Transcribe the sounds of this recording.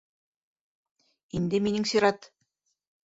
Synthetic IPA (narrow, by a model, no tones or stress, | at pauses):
ind̪ɘminɘŋsiɾɑt̪